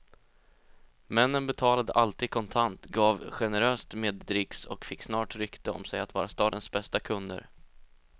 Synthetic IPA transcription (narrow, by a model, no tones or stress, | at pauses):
mɛnːənbɛt̪ʰɑːlad̪ə̰ʔalt̪iːd̪̚kʰɔnt̪ʰant̪ɡɑːvɧɛnɛɾøːst̪meːd̪ːɾɪksɔ̰kfɪkːsnɑːʈɾʏkt̪əɔ̰msɛjat̪vɑːɾast̪ɑːd̪ənsbɛst̪akʰɵnd̪ə̰ɾ